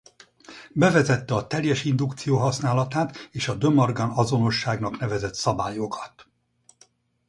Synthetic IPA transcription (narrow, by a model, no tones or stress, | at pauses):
bɛvɛzɛt̪ːɛɒt̪ɛljɛʃind̪ukt̪sijoːɦɒsnaːlɒt̪aːt̪eːʃɒd̪ø̞mɒrɡɒnɒzo̞no̞ʃːaːɡnɒknɛvɛzɛt̪sɒbaːjo̞kʰɒ̥t̪